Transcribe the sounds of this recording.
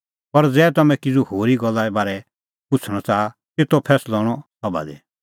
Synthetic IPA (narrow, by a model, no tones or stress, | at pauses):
pɐɾd͡zɛːt̪ɐmɛ̃kɪd͡zuhoːɾiɡɔlːaɛbaːɾɛ | pʊt͡sʰɽ̃ɔt͡saː | t̪et̪opʰɛːslɔːɽ̃ɔsɔba̰d̪ɛ